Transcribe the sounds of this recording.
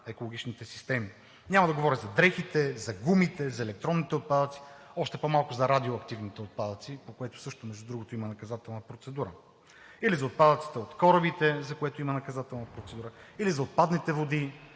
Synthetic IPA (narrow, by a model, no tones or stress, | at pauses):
ɛkolˠoɡʲit͡ʃnit̪ɛsi̥st̪ɛmi | nʲamɐd̪ɐɡovɔɾʲizɐd̪ɾɛxit̪ɛzɐɡumit̪ɛzɐɛlɛk̚t̪ɾɔnːit̪ɛot̪̚pad̪ət̪si̥ɔʃt̪ɛpomalˠkʊzɐɾad̪ioɐkt̪ivnit̪ɛot̪̚pad̪ət̪sipokoɛt̪ʊ̥sɤʃt̪omɛʒd̪ud̪ɾuɡot̪oimɐnɐkɐzat̪ɛlˠnəpɾot̪sɛd̪uɾə | ilizɐot̪̚pad̪ət̪si̥t̪ɛot̪kɔɾəbit̪ɛzɐkoɛt̪oimɐnɐkɐzat̪ɛlˠnɐpɾot̪sɛd̪uɾəilizɐot̪̚pad̪nit̪ɛvod̪i